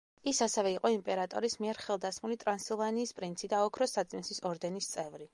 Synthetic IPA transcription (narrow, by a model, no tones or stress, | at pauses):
isasɛvɛiqʼɔimpʼɛɾat̪ʼɔ̰ɾismiɛɾχɛlˠd̪asmulit̪ʼɾansilˠvaniːspʼɾint̪sʰid̪aɔkʰɾɔsat̪sʼinsisɔɾd̪ɛnist̪sʼɛvɾi